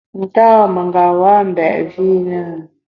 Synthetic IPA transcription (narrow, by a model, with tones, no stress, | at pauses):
n̩˨ta˦˨mə˨ŋɡa˨wa˦m̩˨bɛ̰˨ʔvi˦na˦˨